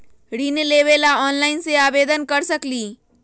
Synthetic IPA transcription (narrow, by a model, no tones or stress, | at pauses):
ɽineleʋelaɔːnlaɪnseabed̪ənkəɾsəkli